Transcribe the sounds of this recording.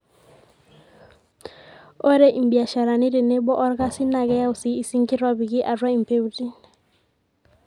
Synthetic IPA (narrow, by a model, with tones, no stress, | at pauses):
o˦ɾe˦ʔi˨mbi˨a˨ʃa˨ɾa˨nɪ˦ɾe˨ne˦bɔ˦ʔɔ˦ɾka˦si˦na˨ɡɛ˦ja˦u˨si˨˦i˨si˦ŋkɪ˦ɾwa˦bi˨ɡɪ˦ʔa˨rwa˦i˨m˨pe˦u˦˨ti˦n